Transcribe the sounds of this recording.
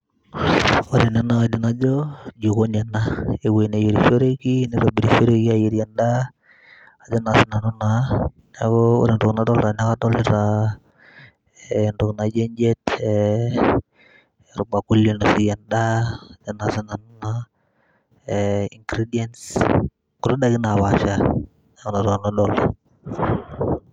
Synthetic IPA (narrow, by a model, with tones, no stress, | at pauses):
o˦ɾi˨nɛ˦na˦di˨na˦d͡ʒɔ˦d͡ʒu˨ko˦ɲɛ˨nae˨we˨ne˨ji˨ɾi˨fo˦ɾe˦ki˦ni˦ɾa˨bi˨ɾi˨fo˦ɾe˦ki˦ajiɾja˨nda | a˨d͡ʒɔ˦na˨sɪ˦na˨nu˦na | akɔo̰˦ɾi˨ndʊ˨kna˨tɔ˦lɾa˨ɲa˦ka˦tɔ˦lɪɾa | ndʊ˨kna˨d͡ʒe˦ɲd͡ʒe˦t | ɾu˨ɡ͡ba˨ku˦lji˨no˨si˨ja˨nda˦a˨d͡ʒa˦nasi˦na˨nu˦na | i˨ŋɡɾi˦diɛ˦ns | ku˨ɾu˦da˦kɪ˦na˨βa˨ʃa˦ | ɲa˦kɔ˦na˨ɾɔ˨nadɔl